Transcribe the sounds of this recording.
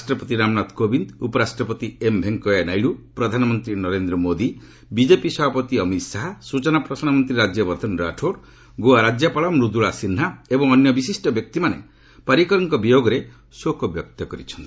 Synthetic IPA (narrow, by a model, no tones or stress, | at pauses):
sʈɾɔpɔt̪iɾamnat̪kobind̪upɔɾasʈɾɔpɔt̪iembʱeŋkɔjanajɽupɾɔd̪ʱanɔmɔnt̪ɾinɔɾend̪ɾɔmod̪i | bid͡ʒepisɔbʱapɔt̪iɔmit̪saɦasut͡ʃɔnapɾɔsanɔmɔnt̪ɾiɾad͡ʒjɔbɔɾd̪ʱɔnɾa̰ʈʰoɾ | ɡoaɾad͡ʒjapaɭɔmɾud̪uɭasinɦaebɔŋɔnjɔbisisʈɔbjɔk̚t̪imanḛ | paɾikɔɾɔŋkɔbijoɡɔɾe | sokʰɔbjɔk̚t̪ɔkɔɾit͡ʃʰɔ̥nt̪i̥